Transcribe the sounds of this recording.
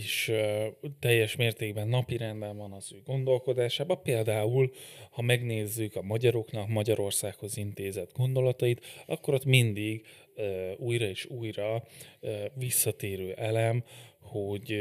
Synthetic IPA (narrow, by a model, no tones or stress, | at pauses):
eʃ | t̪ɛjːɛʃmeːrt̪eːɡbɛnːɒpiɾɛnd̪ɛɱvɒnɒzøːɡo̞nd̪o̞lko̞d̪aːʃaːbɒpeːld̪aːulhɒmɛɡneːzːykɒmɒɟɒɾo̞knɒkmɒɟɒɾo̞rsaːkho̞zint̪eːzɛd̪ɡo̞nd̪o̞lɒt̪ɒjit̪ɒkːo̞ɾot̪mind̪iɡ | uːjrɒeːʃuːjrɒ | visːɒt̪eːɾøːʔɛlɛmho̞ɟ